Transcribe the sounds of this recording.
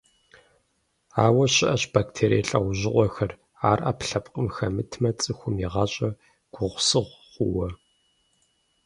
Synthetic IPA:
aːwɐɕɪʔɐɕb̥aːktʰeːɾḭːɬʼɐʁʷʊʑɪʔʷʼɔxɐr | aːrʔɐpɬɐpʼqʼəmxɐmɨtʰmɐt͡sʼɨxʷʊmiʁɑɕʼɐ | ɡ̥ʷʊʁʷsɨʁʷʁʷʊwɐ

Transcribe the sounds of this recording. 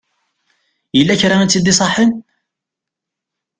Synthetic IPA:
jəlːæçɾaænt͡s̪ːid̪isˤɑħːən

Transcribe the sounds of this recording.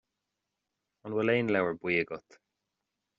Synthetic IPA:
ɔnwɛleːnlawəɹbwiːəɡɔt̪

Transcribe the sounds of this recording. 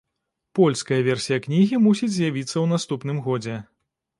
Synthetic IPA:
pɔlʲskɐjɐvʲɛrsʲijɐknʲiɣʲimusʲid͡zʲzʲjavʲit̪sːɐwnast̪upn̪ɨmɣɔd͡zʲɛ

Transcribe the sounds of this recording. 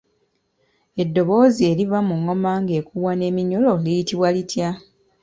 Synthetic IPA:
e̞dːo̞βo̞ːzie̞livamuŋːo̞maːŋɡe̞ːkuβwane̞ːmiɲo̞lo̞lijitiβwalitja

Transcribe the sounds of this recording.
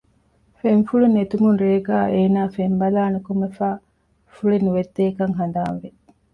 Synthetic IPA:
fenfuɭunet̪umunɾeːɡaːʔeːnaːfembɐlaːnukumefaː | fuɭenuʋed̪ːeːkɐŋɦɐnd̪aːnʋe

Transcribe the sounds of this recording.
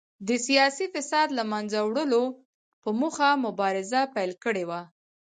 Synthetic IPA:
d̪əsijɑsifɪsɑd̪lamanzawɽəlo | pəmuxamʊbɑɾɪzapajlkəɽewa

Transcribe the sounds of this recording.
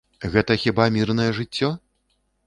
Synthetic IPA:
ɣɛt̪ɐxʲibamʲirnɐjɛʐɨt͡sʲːɔ

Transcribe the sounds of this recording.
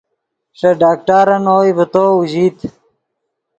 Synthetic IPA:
ʂɐɖaːk̚ʈaːɾɐnoːibɐt̪oːuʑiːt̪

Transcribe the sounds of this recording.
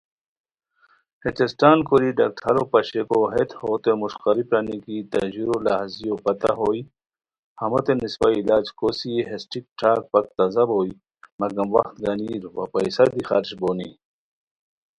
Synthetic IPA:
het̪esʈaːnkoɾiɖak̚ʈʰɐɾopɐɕekoɦet̪hoːt̪emuʃqɐɾipɾɐnikit̪ɐʑiɾolaɦzijopɐt̪ɐ̰ɦoːi | hɐmot̪enispailaːd͡ʑkosieɦesʈik̚ʈʰaːk̚pɐk̚t̪ɐzɐboːi | mɐɡɐmwɐxt̪ɡɐniːɾwɐ̰pɐjsɐd̪ixaɾɕboːnḭ

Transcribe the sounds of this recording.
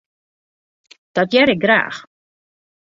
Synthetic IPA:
d̥ɔtjɛɾɪk̚ɡra̰ːx

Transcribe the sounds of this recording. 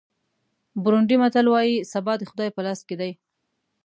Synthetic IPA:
bʊɾʊɳɖimat̪alwɑjisabɑd̪əxʊd̪ɑjpəlɑsked̪aj

